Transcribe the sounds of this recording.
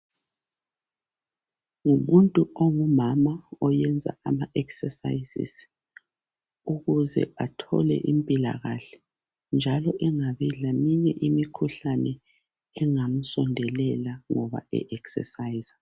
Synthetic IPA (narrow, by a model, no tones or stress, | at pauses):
ŋumuntʼuoŋumamaɔjɛnd͡zʱa̰amaʔɛksɛsa̰jsḭs | uɣuzɛ̰atʰɔ̰lɛ̰ʔimpʼila̰ɣaɬɛ̥ | nd͡ʒʱalɔʔɛŋaβilamiɲɛʔimikʰuɬanɛ | ɛŋam̩sɔndʱɛlɛlaŋɔβa̰ɛ̰ʔɛksɛ̰sajiza